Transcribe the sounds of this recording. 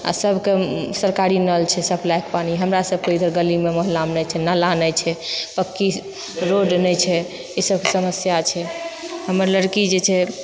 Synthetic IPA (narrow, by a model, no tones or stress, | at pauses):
a̰səbʱkesəɾkaɾinəlt͡ʃʰɛsəbʱlakpaniɦəmɾasəb̚ʱkeid̪ʱəɾɡəlimeməɦlamnɛt͡ʃʰɛnalanət͡ʃʰɛpəkːi | ɾoɖnɛt͡ʃʰɛ | esəb̚ʱkesəməsjat͡ʃʰɛɦəməɾləɽkid͡ʒet͡ʃʰɛ